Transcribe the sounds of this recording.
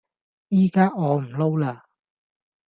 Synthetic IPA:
jiː˥kaː˥ʔɔː˨˧m̩˨˩lo˥wlaː˧˩

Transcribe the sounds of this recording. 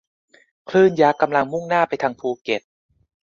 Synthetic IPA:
kʰlɯː˥˩njaː˦˥kːa˧mla˧ŋmu˥˩ŋnaː˥˩pa˧jt̪ʰa˧ŋpʰuː˧ke˨˩t̪̚

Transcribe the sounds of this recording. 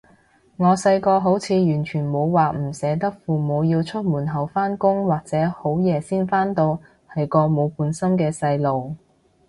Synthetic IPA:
ŋɔː˨˧sɐ˧jkɔː˧ɦo˨˥wt͡sʰiː˨˧jyː˨˩nt͡ʃʰyː˨˩nmo˨˧wwaː˨m̩˨˩sɛː˨˥t̪ɐ˥k̚fuː˨mo˨˧wjiː˧wt͡ʃʰɵ˥t̚muː˨˩nɦɐ˨˩wfaː˥nkʊ˥ŋwaː˨k̚t͡sɛː˨˥ho˨˥wjɛː˨˧siː˥nfaː˥nt̪o˧w | hɐ˨jkɔː˧mo˨˧wpuː˨˥nsɐ˥mkɛː˧sɐ˧jlo˨w

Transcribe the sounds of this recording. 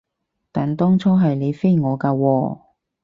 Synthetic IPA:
t̪aː˨˩nt̪ɔː˥ŋt͡sʰɔː˥ɦɐ˨jne˨˧jfe˥jŋɔː˨˧kaː˧wɔː˧

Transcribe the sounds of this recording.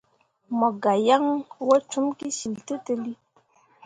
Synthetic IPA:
mɔ˨ɡa˨ja˦ŋwo˦t͡ʃu˦mki˦si˨ltə˦tə˨li˦

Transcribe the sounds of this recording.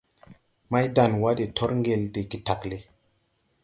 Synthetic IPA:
ma˦jda˨nwa˦de˨tʰo˦ɾŋɡe˨lde˨ki˨ta˨kle˦

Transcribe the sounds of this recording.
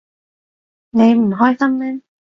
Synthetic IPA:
ne˨˧jm̩˨˩ɦɔː˥jsɐ˥mlɛː˥

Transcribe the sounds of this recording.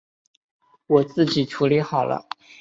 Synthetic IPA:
wɔ˨˩t͡sɹ̩˥˩t͡ɕi˨˩ʈ͡ʂʰu˧˥li˧˥xɑ˨˩ʊlə̰˦

